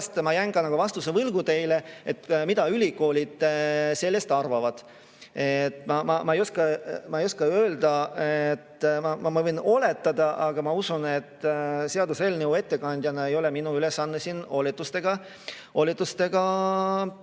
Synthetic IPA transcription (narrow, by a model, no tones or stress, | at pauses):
st̪mɑjæŋɡ̥ɑnɑkovɑst̪usevɯlɡut̪e̞jle̞et̪mid̪̥ɑylʲiko̞ːlʲid̪̥se̞lːe̞st̪ɑrvɑvɑd̪̥ | et̪ːˑmɑmɑmɑejoskɑmɑejoskɑø̞ːld̪ɑet̪ːmɑmɑmɑvɤjno̞le̞t̪ːˑɑd̪ɑʔɑɡ̥ɑmɑusune̞t̪ːse̞ɑd̪use̞ːlneue̞t̪ːe̞kɑnʲd̪̥ʲjɑnɑe̞jo̞leminuylesːɑnːesino̞lit̪ːˑust̪e̞ɡ̥ɑ | o̞lʲit̪ːˑust̪e̞ɡ̥ɑ